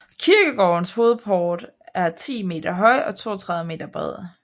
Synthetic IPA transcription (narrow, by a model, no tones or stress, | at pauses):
kʰiɐɡ̥əɡ̥ɒʊnsho̝ːð̞̩ˠpʰɒːd̥ | æɐt͡sʰḭːme̝̰ːd̥ɐɦɒ̽ɪ̰ɒ̽t͡sʰo̝ːɐt͡sʰʁɑ̈ðˠʋˠəme̝̰ːd̥ɐb̥ʁɛð̰ˠ